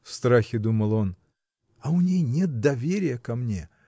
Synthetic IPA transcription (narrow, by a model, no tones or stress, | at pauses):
fst̪ɾaxʲɪd̪uməlˠo̞n | ɐʊnʲejnʲe̞t̪̚d̪ɐvʲeɾʲɪjəkɐmnʲe̞̰